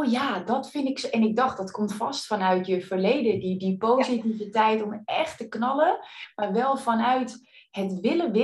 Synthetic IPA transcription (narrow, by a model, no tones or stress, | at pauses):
jadɔtfɪndɪksɛnɪɡ̚dɑχt̚dɔtkɔmtfɑstfɑnœɥtjəfərlejdədidipowzitivitɛjtɔmɛχtəknɑləmaːrʋɛlˠfɔnœɥthətʋɪləʋɪ